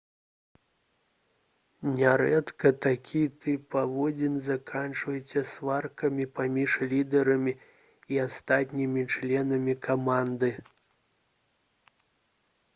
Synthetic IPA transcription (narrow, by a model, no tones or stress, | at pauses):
nʲɛɾɛt̪kɐt̪akʲʰit̪ɨpːavɔd͡zʲinzakʰant͡ʂvɐjɛt͡sʲɛsvarkɐmʲipamʲiʂlʲid̪ɛɾɐmʲi | iast̪at̪ʲnʲimʲit͡ʂlʲɛnɐmʲikʰamand̪ɨ